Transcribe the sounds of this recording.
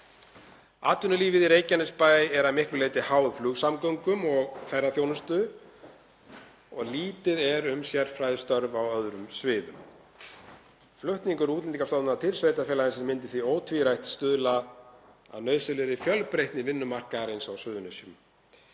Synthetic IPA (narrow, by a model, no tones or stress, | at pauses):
a̰ːt̪ʏnʏliːvɪðiɾeːjcanɪspaːjɛɾamɪr̥pʏleːjt̪ɪhaːwðflʏɣsamkœŋkʏmɔɣfɛɾːaθjoːwnʏst̪ʏ | ɔ̰ɣliːt̪ɪðɛɾʏmsjɛɾfɾajðɪst̪œɾvawœðɾʏmsvɪːðʏm | flʏht̪niŋkʏɾuːt̪lɛniŋkasaːwt̪nat̪ʰɪlsveːjt̪afɛːlaðɪnsɛmɪnt̪ɪ̥θvioːwt̪ʰviɾajht̪st̪ʏðla | a̰ðnœːɥsɛlɪɾɪfjœlpɾejht̪nɪvɪnːʏmar̥kaɾejnsawsʏːðʏnesjʏm